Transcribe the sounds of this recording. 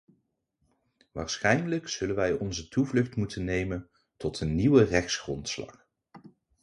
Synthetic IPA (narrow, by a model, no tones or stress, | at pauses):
ʋa̰ːɹsχɛjnləkz̥ɵlənʋɛjɔnzətuvlɵχtmutʰənːejmən | tɔtənːiwərɛχsχrɔntslɑ̰χ